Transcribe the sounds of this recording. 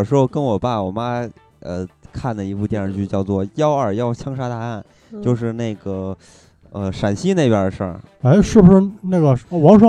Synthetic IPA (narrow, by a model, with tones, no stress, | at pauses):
ʂɻ̩˥xʊkə˥nwɔ˨˩pa˥˩wɔ˨˩ma˥ | ə˧kʰa˥˩nd̪ə˩i˧˥pu˥˧t̪jɛ˥˧nʂə˧˩t͡ɕy˥˧t͡ɕjɑ˥˧ʊt͡swɔ˥˩jɑ˥ʊə˞˨˩jɑ˥˩ʊt͡ɕʰjɑ˥ŋʂa˥t̪a˥˧a˥˩n | t͡ɕjo˥˧ʊʂɻ̩˥˧ne˥˩ɪɡə˩ | ə˧ʂa˨˩nɕi˥ne˥˩ɪpjə˞˧˥ʂə̰˥˩ | e˥ɪʂɻ̩˥˩bu˩ʂɻ̩˥˧na˥˩ɡə˩˧wɑ˧˥ŋʂwɑ˥